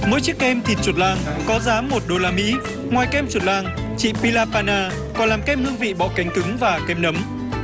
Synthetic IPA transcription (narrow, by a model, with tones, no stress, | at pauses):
mo̰˧˥˦jt͡ɕi˦˥əkʔɛ˧mt̪ʰi˨˩t̚t͡ɕu˨˩t̚laː˧ŋkɔ˨˦zaː˨˦mːo˨˩t̚ɗo˧laː˧mḭ˧˥ | ŋwaː˨˩jkɛ˧mt͡ɕu˨˩t̚laː˧ŋ | t͡ɕḭ˧˨pi˧laː˧paː˧naː˧ | kɔ˨˩nlaː˨˩mkɛ˧mhɨ˧əŋvḭ˧˨ɓɔ̰˧˨ka˨˦ŋ̟t̪ɨ˨˦ŋvaː˨˩kɛ˧mnə˨˦m